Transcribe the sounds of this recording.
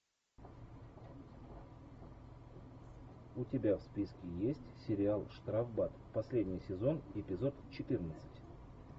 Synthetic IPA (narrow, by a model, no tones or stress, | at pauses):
ʊtʲɪbʲafspʲiskʲɪjesʲtʲsʲɪɾʲɪalˠʂt̪ɾavbat̪pɐsʲlʲedʲnʲɪjsʲɪzo̞nɪpʲɪzo̞t̪t͡ɕɪt̪ɨrnət̪sɨ̥tʲ